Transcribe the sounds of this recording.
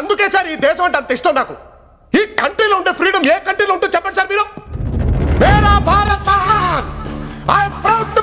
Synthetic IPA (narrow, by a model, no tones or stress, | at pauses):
ɐnd̪ukɛːsaːɾiːd̪ɛːʃɐmɐɳʈeɐnt̪ɐiʂʈɐmnaːku | iːkɐɳʈɾiːloːuɳɖeːpʰɾiːɖɐmeːkɐɳʈɾiːloːuɳʈuːt͡ʃɛpːɐɳsaːɾmiːɾu | neːɾaːbʱaːɾɐt̪ː | aːjpɾɐbt̪